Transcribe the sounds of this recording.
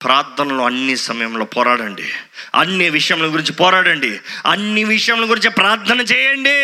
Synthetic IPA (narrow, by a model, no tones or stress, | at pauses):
pɾaːɾt̪ʰɐnɐloːɐnːisɐmɐjɐmlo̞ːpɔːɾaːɽɐɳɖḭɐ̰nːiʋiʂɐjɐmluɡuɾiɲt͡ʃipɔːɾaːɽɐɳɖiɐnːiʋiʂɐjɐmlɐɡuɾiɲt͡ʃipɾaːɾt̪ʰɐnɐt͡ʃɛːjɐɳɖi